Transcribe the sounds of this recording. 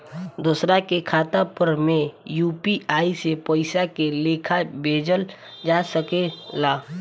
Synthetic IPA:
d̪uːsɾakekʰaːt̪apəɾmẽjuːpiaːisepəɪsakeleːkʰabʱeːd͡ʒəl | d͡ʒaːsəkelaː

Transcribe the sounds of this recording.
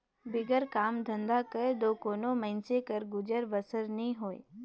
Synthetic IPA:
bɪɡəɾkaːmd̪ʱə̃nd̪akəed̪oːkoːnomə̃ɪnsekəɾɡʊd͡ʒəɾʋəsəɾnĩɦoːḛ

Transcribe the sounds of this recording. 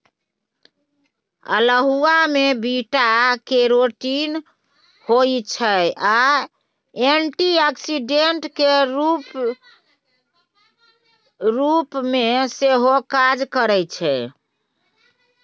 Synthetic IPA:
ə̰ləɦuamebiʈakeɾoʈin | hojt͡ʃʰəa | enʈiaksiɖeɳʈkeɾ | ɾupmeseɦokad͡ʒkəɾɛt͡ʃʰɛ

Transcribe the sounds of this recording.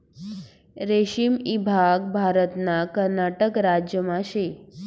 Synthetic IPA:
ɾeʃimibʱaɡ̚bʱaɾət̪nakəɾnaʈəkɾad͡ʒjəmãʃe

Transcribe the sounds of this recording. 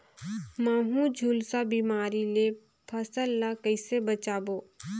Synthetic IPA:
maːɦũd͡ʒʱuːlsabiːmaːɾile | pʰɐsəlːakəɪsebət͡ʃaːboː

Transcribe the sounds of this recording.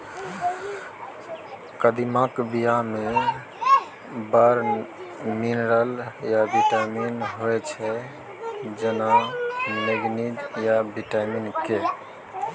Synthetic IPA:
kəd̪imakbijame | bəɾ | minɾəljabiʈaminɦoet͡ʃʰɛ | d͡ʒenaneɡnid̪jabiʈaminke

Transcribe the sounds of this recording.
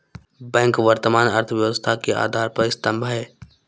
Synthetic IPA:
bɛ̃ːŋkʋəɾt̪əmaːnəɾt̪ʰəʋjəʋəst̪ʰakea̰ːd̪ʱaːɾpəɾɪst̪ə̃mbʱəɦɛː

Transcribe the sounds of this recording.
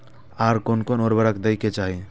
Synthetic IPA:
aɾkonkonoːɾbəɾəkd̪əjket͡ʃaːɦi

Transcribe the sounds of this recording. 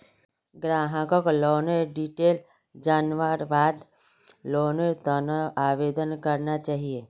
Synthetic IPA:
ɡɾaːɦəkokloːnəɾɖiʈeːl | d͡ʒaːnʋəɾbaːd̪ | loːnəɾt̪ənaaːʋeːd̪ənkəɾnat͡ʃaːɦieː

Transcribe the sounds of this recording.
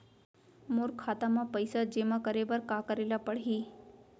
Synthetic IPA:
moɾkʰːat̪amãpəjsad͡ʒemãkəɾebəɾkãkəɾelapəɽɦi

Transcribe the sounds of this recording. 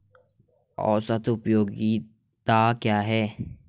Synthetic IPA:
ɔ̰ːsɐt̪ʰʊpjoːɡi | t̪aːkjaːɦɛː

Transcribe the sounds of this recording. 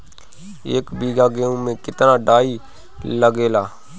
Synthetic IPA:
eːkbiːɡaːɡeːõmẽkɪt̪naːɖaːiː | ləɡeːlaː

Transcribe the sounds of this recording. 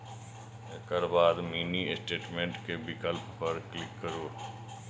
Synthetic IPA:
ekəɾbaːd̪miːniɪsʈeːʈmẽɳʈkebɪkəlppəɾklɪkːəɾoː

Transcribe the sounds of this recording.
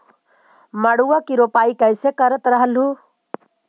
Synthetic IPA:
məɽuwakiɾoːpaːikəɪsekəɾət̪ɾəɦəlɦu

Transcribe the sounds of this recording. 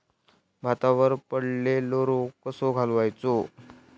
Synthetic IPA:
bʱat̪aʋəɾpəɽleloɾokəsoɡʱalʋajt͡so

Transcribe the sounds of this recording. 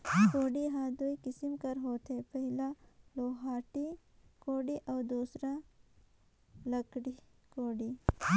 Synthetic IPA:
koːɖiɦãd̪oikɪsimkɐɾɦoːt̪epɐɦɪlaloːɦaːʈikoːɖiʔɐːd̪uːsɾa | lɐkɽikoːɖi

